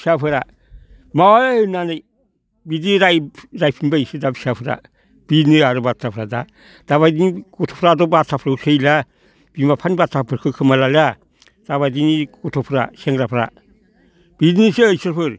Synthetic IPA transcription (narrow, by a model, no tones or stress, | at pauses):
siapʰɯɾa | mawaenanej | bidiɾajɾajpʰimbajsidabsapʰɯɾa̰ | b̥iniaɾobatʰɾapʰɾada̰ | d̥aβadinɡɔtʰo̥pɾadobatʰapʰɾausejla | b̥imbapʰanibatʰapʰɯɾkʰɯkʰɯmalala | d̥aβadiniɡutʰopʰɾa̰seŋɡɾapʰɾa̰ | b̥idinisejseɾpɯɾ